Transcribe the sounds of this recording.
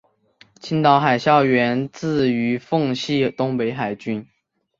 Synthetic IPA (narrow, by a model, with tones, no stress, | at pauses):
t͡ɕʰi˥nt̪ɑ˧˥ʊxa˨˩ɪɕjɑ˥˩ʊɥɛ˧˥nt͡sɹ̩˥˩y˧˥fɤ˥˧ŋɕi˥˩t̪ʊ˥ŋpe˧˥ɪxa˨˩ɪt͡ɕy˥n